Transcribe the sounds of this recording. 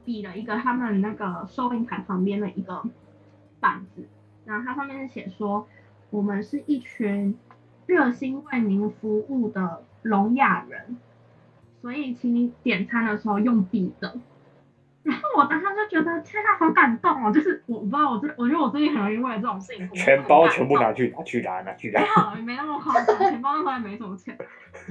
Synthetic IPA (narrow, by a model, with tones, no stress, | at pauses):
pi˨˩lə˦i˧˥ɡə˧t̪ʰa˥mə˨nna˥˩ɡə˩ʂo˥ʊpʰi˧˥ŋt̪ʰa˨˩ɪpʰɑ˧˥ŋpjɛ˥nd̪ə˨ʔi˧˥ɡə˨ | pa˨˩nd͡zɹ̩˨˩˦ | ɻa˧˥xo˥˩t̪ʰa˥ʂɑ˥˧mjɛ˥˧nʂɻ̩˥˩ɕjɛ˨˩ʂwɔ˥ | wɔ˨˩mə˨˦nʂɻ̩˥˧ʔi˥˩t͡ɕʰy˧˥n | ɻɤ˥˩ɕi˥nwe˥˩ɪmi˧˥ŋfu˧˥u˥˩d̪ə˩ | lʊ˧˥ŋja˨˩ɻə˧˦n | swɔ˧˥i˨˩t͡ɕʰi˧˥ŋ˥t̪jɛ˨˩nt͡sʰa˥nd̪ə˨ʂɻ̩˧˥xo˥˧ʊjo˥˩ŋpi˨˩d̪̥ə˦ | ɻa˧˥nxo˥˩ʊwɔ˨˩t̪a˥t̪ʰa˥t͡ɕjo˥˩t͡ɕɥɛ˧˥d̪ə˨t͡ɕʰɛ˥nʰa˥˩fɑ˧˥ŋka˨˩nt̪ɑ˥˩ŋma˨˩t͡ɕjo˥˧ʊʂɻ̩˥˩wɔ˨˩ɔ˨˩˧wɔ˨˩t͡sɹ̩˥˩˨wɔ˨˩t͡ɕɥɛ˧˥ə˧wɔ˨˩t͡sɹ̩˥˩t͡ɕi˥xə˨˩njo˧˥i˥wd̪ə˩ʈ͡ʂɤ˥˩ʈ͡ʂo˨˩ŋɕi˥˧ŋʰu˥˨t͡ɕʰɥɛ˨˧˦npɑ˥˦ʊt͡ɕʰɥɛ˧˦npu˥˩na˧˦t͡ɕʰy˥˨na˨˦t͡ɕʰy˥˩la̰˧˦˥na˧˦t͡ɕʰy˥˨˩a̰˨˥˦i˨˩me˧˥ɪnə˥˩ə˨˩kʰt͡ɕʰɛ˧˥npnʰ˥˧˥jɛ˥˩me˧˥ɪʈ͡ʂə˨˩m˧˦t͡ɕʰɥɛ˧˦n